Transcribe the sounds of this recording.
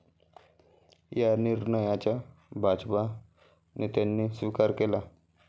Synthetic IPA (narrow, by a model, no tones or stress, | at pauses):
janiɾnəjat͡ɕabʱad͡ʑpa | nit̪janːisʋikaɾkela